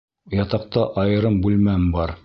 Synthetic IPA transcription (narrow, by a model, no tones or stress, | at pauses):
jɑt̪ɑq̚t̪ɑʔɑjɤ̆ɾɤmbʉlmæmbɑɾ